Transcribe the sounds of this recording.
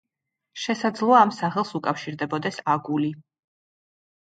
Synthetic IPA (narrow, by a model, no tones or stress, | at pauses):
ʃɛsad̪zlˠɔaːmsaχɛlˠsukʼafʃiɾd̪ɛbɔd̪ɛsaɡuli